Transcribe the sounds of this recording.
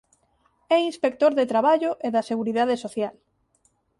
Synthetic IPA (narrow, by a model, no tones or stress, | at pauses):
ɛinspek̚t̪oɾðet̪ɾaβaʎoʔeðɐseɣuɾiðað̞esoθjal